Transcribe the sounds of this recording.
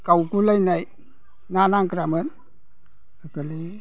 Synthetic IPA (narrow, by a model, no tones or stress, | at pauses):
kawkulajnaj | nanaŋkɾamɯn | əkɯli